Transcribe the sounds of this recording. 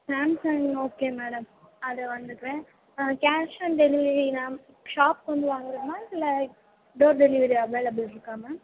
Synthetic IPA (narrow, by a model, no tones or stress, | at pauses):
saːmsɐŋoːkeːmeːɽɐmɐðɯʋɐnd̪ɯkːɾẽː | kaːʂɐnɖɛlɪʋɾinaː | ʂaːpkɔnd̪ɯʋaːŋɡɪɾɐnːaːɪlːɐ | ɖoːɾɖɛlɪʋɐɾiɐʋeːlɐbɪlɪɾɯkːaːmɐ